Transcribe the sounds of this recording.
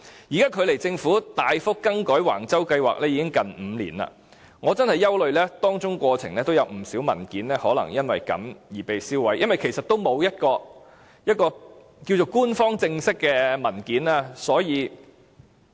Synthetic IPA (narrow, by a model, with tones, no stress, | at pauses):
jiː˨˩kaː˥kʰɵ˨˧ɥle˨˩jt͡sɪ˧ŋfuː˨˥t̪aː˨˧jfʊ˥kːɐ˥ŋkɔː˨˥jwa̰ː˨˩ŋt͡sɐ˥wkɐ˧jwa̰ː˨k̚lɛː˥jiː˨˧kɪ˥ŋkɐ˨nm̩ː˨˧lḭː˨˩na̰ː˧ | ŋɔː˨˧t͡sɐ˥nhɐ˨˩jːɐ˥wlɵ˨˧ɥlɛː˥t̪ɔː˥ŋt͡ʃʊ˥ŋkʷɔː˧t͡sʰɪ˨ŋlɛː˥t̪o˥wjɐ˨˧wm̩˨˩siː˨˥wmɐ˨˩nkiː˨˥nlɛː˥hɔː˨˥lɐ̰˨˩ŋjɐ˥nwɐ˨jkɐ̰˨˥mjiː˨˩pe˨jsiː˥wɐ˨˥jʔɐ˥nwɐ˨jkʰe˨˩jsɐ˨t̪̚o˥wmo˨˧wjɐ˥t̚kɔː˧ | jɐ˥t̚kɔː˧ | kiː˧wt͡ʃo˨˩wkuː˥nfɔː˥ŋt͡sɪ˧ŋsɪ˥kːɛː˧mɐ˨˩nkiː˨˥naː˥sɔː˨˥jiː˨˧